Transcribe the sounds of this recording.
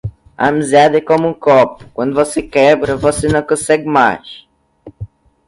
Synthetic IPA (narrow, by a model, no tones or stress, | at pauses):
ɐ̰amizad̪ɐɛkõmʊũkɔpʊ̥kwɐ̃nd̪ʊvosekɛbɾɐvosenɐ̃w̃kõsɛɡɪmajʃ